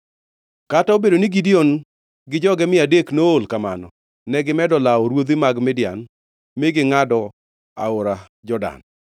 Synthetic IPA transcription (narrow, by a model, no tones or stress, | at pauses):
kataobedoniɡidion | ɡɪd͡ʒɔɡɛmɪadeknoolkamanɔ̰ | nɛɡɪmɛdɔlaɔɾwod̪ɪmaɡmɪdja̰n | meɡɪŋadɔ | a̰ʊɾa | d͡ʒɔda̰n